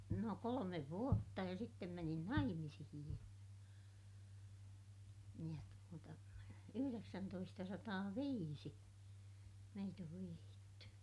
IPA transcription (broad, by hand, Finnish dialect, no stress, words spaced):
no kolomeʋ ʋuotːɑ jɑ sitːem menin nɑimisihij jɑ jɑ tuotɑ yhyreksæntoistɑsɑtɑːʋiːsi meit oʋ ʋihiːtːy